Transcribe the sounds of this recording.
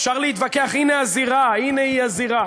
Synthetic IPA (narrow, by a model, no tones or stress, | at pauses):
fʃaʁleit̪vakeaχineaziʁaineiaziʁa